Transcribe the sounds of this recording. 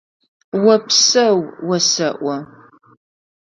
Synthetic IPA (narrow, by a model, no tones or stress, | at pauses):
wɐpsɐwwɐsɐʔʷɔ